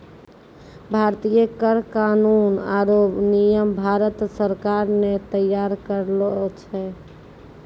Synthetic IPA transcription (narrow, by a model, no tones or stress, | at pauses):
bʱaɾt̪ijəkəɾkanunaɾobnijəmbʱaɾət̪səɾkaɾnet̪əjaɾkəɾlt͡ʃʰɛ